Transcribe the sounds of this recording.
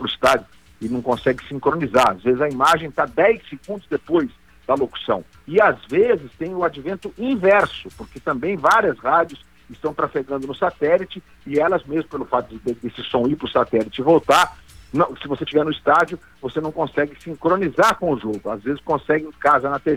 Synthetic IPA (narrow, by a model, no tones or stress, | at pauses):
pɾʊist̪ad͡ʒʊ | ɪnɐ̃w̃kõsɛɡɪsĩkɾõnizaɾa̰zvezɪzɐimaʒẽj̃t̪ad̪ɛjseɡũnd̪ʊzd̪epojz | d̪̥ɐloku̥sɐ̰̃w̃ | ɪazvezɪst̪ẽj̃ʊad͡ʒivẽnt̪ʊĩvɛɾsʊpʊɾket̪ɐ̃mbẽj̃vaɾiɐsʁad͡ʒjʊs | ɪst̪ɐ̃w̃t̪ɾafeɡɐ̃nd̪ʊnʊsat̪ɛlit͡ʃɪ | ɪɛlɐzmezmʊpelʊfat̪ʊdɪd̪ɪd̪esɪsõw̃iɾpɾʊsat̪ɛlit͡ʃɪvowt̪aɾnɐ̃w̃sɪvoset͡ʃivɛɾnʊist̪ad͡ʒjʊ | vosenɐ̃w̃kõsɛɡɪsĩkɾõnizaɾkõʊʒoɡʊazvezɪskõsɛɡẽj̃kazɐnɐt̪e